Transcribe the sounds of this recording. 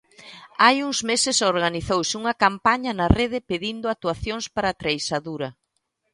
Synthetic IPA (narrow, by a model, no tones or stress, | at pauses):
ajuŋzmesɪsoɾɣaniθowsɪuŋɐkampaɲɐnɐreðɪpeðind̪ʊat̪uaθjoŋspaɾat̪ɾejsaðuɾɐ